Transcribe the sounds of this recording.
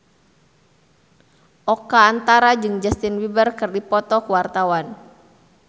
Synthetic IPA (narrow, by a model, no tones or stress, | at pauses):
ʔɔkaːnt̪aɾad͡ʒɨŋd͡ʒast̪ɪnwibərkɨrdipɔt̪ɔkuwart̪awan